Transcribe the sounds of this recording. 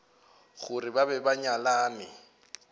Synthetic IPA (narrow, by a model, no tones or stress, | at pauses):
ɣʊrɪbabɛbaɲalaːnɪ̰